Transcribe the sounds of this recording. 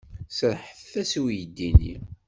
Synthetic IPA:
səɾħəθθæsuwjəd̪ːinḭ

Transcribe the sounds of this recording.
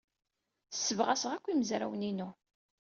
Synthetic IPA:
θsːəvʁæsəʁækʷːiməzɾæ̰wninu

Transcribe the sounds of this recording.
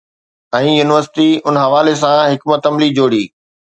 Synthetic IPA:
ɛ̃ːjuːnɪʋəɾsɪ̥ʈiʊnɦɐʋaːlesãɦɪkmət̪ɐmlid͡ʑoːɽiː

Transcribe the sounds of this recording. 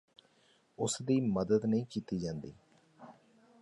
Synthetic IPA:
ʊsd̪iːməd̪əd̪nəĩːkiːt̪iːd͡ʒãːnd̪ḭː

